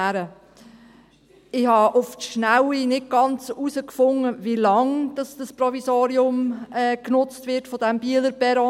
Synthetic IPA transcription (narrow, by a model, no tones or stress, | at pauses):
ɾə | ɪhɑʔʊftʃnawinɪt̚ɡ̥ɑnt͡susəkfʊŋːəʋilɑŋd̥ɑsd̥ɑspɾɔvizoːɾiʊmɛːknʊt͡stʋɪɾtfɔdɛmbiːələɾbɛɾo